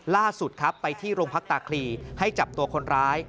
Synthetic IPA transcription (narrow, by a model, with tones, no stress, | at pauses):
laː˥˩su˨˩t̪̚kʰa˦˥pːa˧jt̪ʰiː˥˩ɾoː˧ŋpʰa˦˥k̚t̪aː˧kʰliː˧ha˥˩jt͡ɕa˨˩p̚t̪u˧ɐkʰo˧nɾaː˦˥j